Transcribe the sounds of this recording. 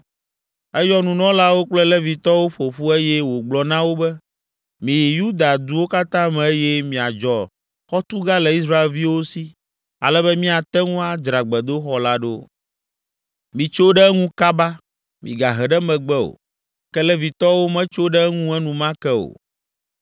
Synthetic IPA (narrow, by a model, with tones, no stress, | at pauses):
ɛ˦jɔ˦nũ˨nɔ̃˦la˦wo˦k͡plɛ˦lɛ˦vi˨t̪ɔ˦wo˦ɸo˨ɸu˦e˦jɛ˦wo˨ɡ͡blɔ˨nã˦wo˦bɛ˦ | mĩ˨ji˨ju˦d̪a˨d̪u˦wo˦ka˦t̪ã˦mɛ̃˨e˦jɛ˦mĩ˨a˨d͡ʒɔ˨ | xɔ˦t̪u˦ɡa˦lɛ˨i˦s̬ɾa˦e˨lvi˦wo˦si˦ | a̰˨lɛ˦bɛ˦mĩ˦a˨t̪ɛ˦ŋũ˦a˦d͡ʒɾa˨ɡ͡bɛ˨d̪o˦xɔ˦la˦ɖo̰˦ | mĩ˨t͡ʃo˦ɖɛ˦ŋũ˦ka˦ba˦ | mḭ̃˨ɡa˨ɦɛ˨ɖɛ˦mɛ̃˨ɡ͡bɛ˦o̰˨ | kɛ˦lɛ˦vi˨t̪ɔ˦wo˦mɛ̃˦t͡ʃo˦ɖɛ˦ŋũ˦ɛ˦nũ˨mã˦kɛ˦o̰˨